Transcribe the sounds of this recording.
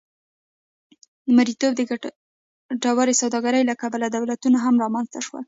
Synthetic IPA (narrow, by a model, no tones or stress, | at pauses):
d̪əmaɾit̪obd̪ə | ɖawaɾesawd̪ɑɡaɾəjlakabalad̪awlat̪unaɦamɾɑmanzt̪aʃwa̰l